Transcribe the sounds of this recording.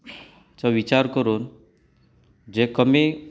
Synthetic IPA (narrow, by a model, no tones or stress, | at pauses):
t͡saʋit͡ɕaɾkəɾuːn | d͡ʑekəmi